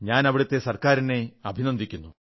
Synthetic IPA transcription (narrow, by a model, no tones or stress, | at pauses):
ɲaːnɐʋiɽɐt̪ːe̞sɐrkaːɾineɐbʱinɐnd̪ʱikʲːunːu